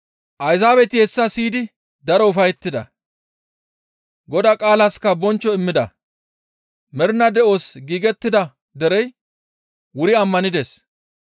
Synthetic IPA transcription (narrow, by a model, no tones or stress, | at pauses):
ʔɐjzaːbɛt̪ɪhɛsːɐsiːd̪ɪ | d̪ɐɾɔʊfɐjɛt̪ːɪd̪ɐ̰ | ɡɔd̪aːkʼaːlɐskːɐbɔnt͡ʃːɔɪmːɪd̪ɐ̰ | mɛɾnɐd̪ɛʔo̞ːsɡiːɡɛt̪ːɪd̪ɐ | d̪ɛɾɛj | wʊɾɪɐmːɐnɪd̪es